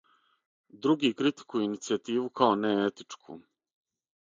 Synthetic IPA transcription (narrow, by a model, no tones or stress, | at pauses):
d̪ɾuɡiːkɾit̪i̥kujeinit̪siat̪iːʋukʰaoneet̪i̥t͡ʂkʰṵː